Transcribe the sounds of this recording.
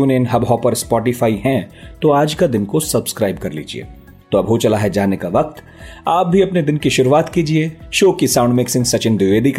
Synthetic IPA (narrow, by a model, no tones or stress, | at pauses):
uːneɪnɦɐbɦɔːpɐɾspɔːʈɪfaːiɦɛ̃t̪oaːd͡ʒkad̪ɪnkosɐbskɾaːɪb̚kɐɾlḭːd͡ʒḭḛː | t̪oɐbʱɦot͡ʃɐlaɦɛd͡ʒaːnekaʋɐk̚t̪ | aːp̚bʱiɐpned̪ɪnkiʃʊɾuʋaːt̪kiːd͡ʒieːʃoːkisãːʊ̃ɳɖmɪksɪ̃ŋsɐt͡ʃɪnd̪ɪʋeːd̪ik